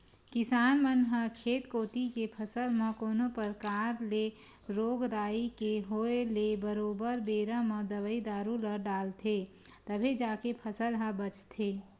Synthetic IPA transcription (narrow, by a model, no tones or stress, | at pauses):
kɪsaːnmənɦəkʰeːt̪koːt̪ikepʰəsəlmə̃koːnopəɾkaːɾle | ɾoːɡɾaːikeɦoːelebəɾoːbəɾbeːɾaməd̪əʋəid̪aːɾuləɖaːlt̪ʰe | t̪əbʱed͡ʒaːkepʰəsəlɦabət͡ʃt̪ʰeː